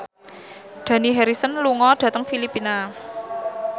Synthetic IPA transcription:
ɖ̪̥ä̤niɦɛɾisənluŋɔɖ̪̥ä̤t̪əŋfilipina

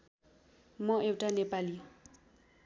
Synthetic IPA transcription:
mɔewʈanepali

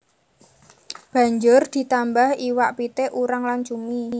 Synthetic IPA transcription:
b̥a̤ɲd͡ʒʊrd̪̥i̤t̪ambahiwaʔpit̪eʔuɾaŋlant͡ʃumi

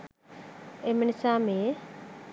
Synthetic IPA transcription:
eminisaːmeː

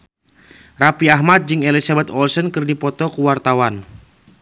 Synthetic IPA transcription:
rapiaɦmat̪̚d͡ʒɨŋɛlisabɛt̪ɔlsənkɨrdipɔt̪ɔkuwart̪awan

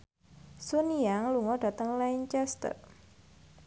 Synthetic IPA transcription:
suniaŋluŋɔda̤t̪əŋlaiɲt͡ʃɛst̪ə̰r

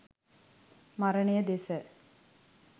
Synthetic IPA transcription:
maɾəɳejəd̪esə

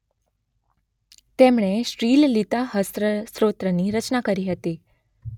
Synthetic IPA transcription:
t̪emɳ̃eʃɾillit̪aɦəsɾəsɾot̪ɾəniɾət͡ʃnakəɾiɦət̪i

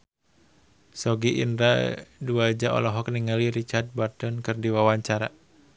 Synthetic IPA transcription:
sɔɡiʔḭndɾa̰duad͡ʒaʔɔ̰lɔɦɔkniŋaliɾit͡ʃart̪̚bart̪ɔnkɨrdiwawaɲt͡ʃaɾa

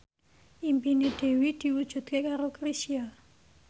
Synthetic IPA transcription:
ʔimpineɖ̥e̤wid̪̥i̤wud̥ʒ̥ṳt̪̚kekaɾokɾisia

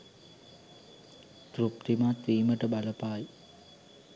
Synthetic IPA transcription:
t̪ɾup̚t̪imat̪ːiːməʈəbaləpaːj

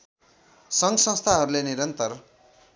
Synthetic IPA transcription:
sʌŋɡsʌ̃st̪ʰaɦʌɾuleniɾʌnt̪ʌr

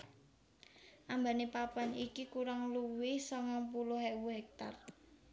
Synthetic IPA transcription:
ʔambanepapanikikuɾaŋluwɪhsɔŋaŋpulʊhɦɛwuɦɛk̚t̪a̰r

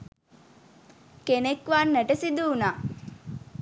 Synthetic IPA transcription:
kenekʋanːəʈəsid̪uːnaː

